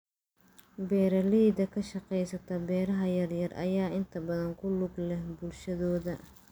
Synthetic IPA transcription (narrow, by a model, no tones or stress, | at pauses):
bɛːɾɐliːd̪ɐkʰɐʃɑqɛjsɐt̪ʰɐbɛːɾɐɦɐjɐrjɐrʔɐ̰jaːʔɪnt̪ʰɐbɐðɐŋkʰʊlʊɡlɛhbʊlʃɐðɔːðɐ